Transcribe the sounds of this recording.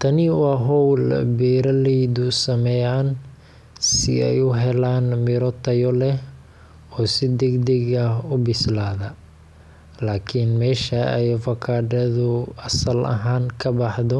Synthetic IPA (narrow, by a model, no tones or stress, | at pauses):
t̪ʰɐnɪwɑːɦɔwlbɛːɾɐlɛjðʊsɐmɛjaːn | sɪɛjʊɦɛlaːnmɪɾɔt̪ʰɐjɔlɛh | ɔːsɪd̪ɛɡd̪ɛɣɐʊbɪslaːðɐ | laːkʰɪnmɛːʃɐɛjfɐkʰaːɖɐðʊɐsɐlɐ̰ɦaːnkʰɐbɑħðɔ